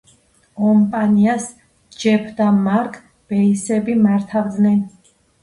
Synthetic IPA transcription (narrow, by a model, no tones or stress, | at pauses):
kʼɔmpʼanias | d͡ʒɛpʰd̪amaɾkʼ | b̥ɛisɛbimaɾt̪ʰavd̪nɛn